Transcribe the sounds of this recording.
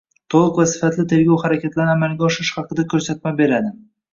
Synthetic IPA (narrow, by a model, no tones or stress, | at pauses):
t̪ʰolˠʊqvasɪ̥fat̪lɪt̪ʰe̞ɾɡʲɒwχaɾakʲat̪laɾnɪamalɡʲaɒʃɪʃχɑqɨd̪akʲʰɵɾsat̪̚mabe̞ɾad̪ɪ